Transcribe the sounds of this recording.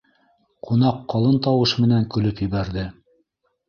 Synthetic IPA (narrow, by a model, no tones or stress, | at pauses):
qʰunɑqːɑlˠɤnt̪ɑwɤʃmɘ̆næŋkɵ̆lɵpjɘ̆βæɾðɘ